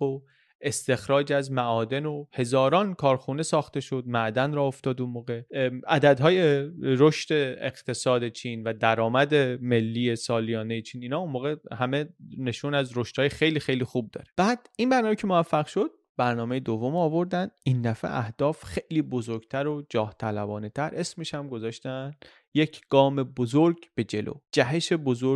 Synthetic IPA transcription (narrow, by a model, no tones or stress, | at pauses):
o | e̞st̪e̞xɾɒːd͡ʒæzmæʔɒːd̪e̞nohe̞zɒːɾɒːnkʰɒːɾxune̞sɒːxt̪e̞ʃo̞d̪mæʔd̪ænɾɒːoft̪ɒːd̪unmoːɣe̞æd̪æd̪ɦɒːjeɾoʃt̪e̞ḛɣt̪ʰe̞sɒːd̪e̞t͡ʃʰiːnvæd̪æɾɒːmæd̪e̞me̞lːiːje̞sɒːlijɒːne̞jet͡ʃʰiːniːnɒːunmoːɣe̞hæme̞ne̞ʃuːnæzɾo̞ʃt̪hɒːjexejliːxe̞jliːxuːb̚d̪ɒ̰ːɾeb̥æːd̪̥inbæɾnɒːmecʰemovæfːæɣʃo̞d̪̥̚ | bæɾnɒːme̞jed̪ovːo̞mɒːvo̞ɾd̪ænd̪ind̪æfḛʔæhd̪̥ɒːfxe̞jliːbo̞zo̞ɾɡ̥t̪ʰæɾod͡ʒɒːht̪ʰælæbɒːnet̪ʰæɾʔe̞smeʃæmɡo̞zɒːʃt̪æn | je̞cʰɡ̥ɒːme̞bozoɾɡb̥e̞d͡ʒe̞lʔo̰ːd͡ʒæɦeʃe̞bo̞zoɾ